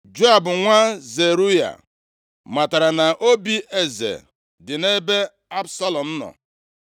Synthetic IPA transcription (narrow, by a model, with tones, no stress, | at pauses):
d͡ʒo˦a˨bʊ˨ŋʷa˦ze˨ɾu˦ja̰˨ | ma˨ta˨ɾa˨na˨ʔo˦bi˦e˦zḛ˨ | dɪ˨ne˦be˦ | a˦bsa˦lɔ˨m̩˦nɔ̰˨